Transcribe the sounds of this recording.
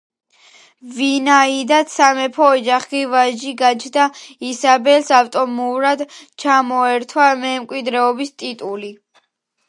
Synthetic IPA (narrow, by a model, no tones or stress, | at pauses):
vinaid̪at̪samɛpʰɔːd͡ʒaχɡivaʒd͡ʒiɡat͡ʃʰd̪aisabɛlsaft̪ʼɔmuɾad̪t͡ʃʰamɔɛɾt̪ʰwamɛmkʼwid̪ɾɛɔbist̪ʼit̪ʼuli